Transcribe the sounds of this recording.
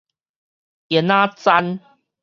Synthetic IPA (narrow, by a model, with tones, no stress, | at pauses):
jɛ˨na˦t͡sa˦n